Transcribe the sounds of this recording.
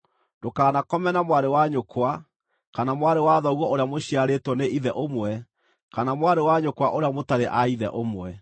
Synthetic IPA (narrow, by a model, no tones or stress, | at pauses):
d̥okaːnakɔmɛnamwaɾewaɲokwa | kanamwaɾewaðɔɣwɔoɾeamoɕiaɾetwɔneʔiðɛʔomwɛ | kanamwaɾewaɲokwaʔoɾeamotaɾeʔaiðɛ̰ʔomwɛ